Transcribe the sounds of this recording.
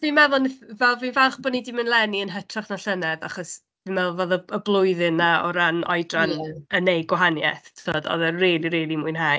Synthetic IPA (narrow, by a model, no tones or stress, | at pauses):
vimɛðʊnvɛlˠvinvaχb̥ɔnidimənlˠɛniənɦətʰraχnaɬənɛðaχɔs | vimɛðʊlˠvoːðəəblˠʊjðɨnaɔ̰ɾanɔ̰jdranənejɡwɔɦanjɛ̰θʰθʰoːdɔ̰ðɛriːlˠiɾiːlˠimuɨnɦaː